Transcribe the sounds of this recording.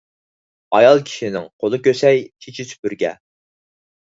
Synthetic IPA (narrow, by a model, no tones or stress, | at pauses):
ɑjɑlˠkʲʰi̥ʃinɪŋqʰolˠɨkʲøsɛjkʲʰet͡ʃʰit̪ʰy̥pyɾɡʲɛ̰